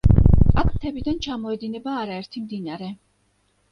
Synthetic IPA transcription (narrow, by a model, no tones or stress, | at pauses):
akʰt̪ʰɛbid̪ant͡ʃʰamɔɛd̪inɛbaːɾaɛɾt̪ʰimd̪inaɾɛ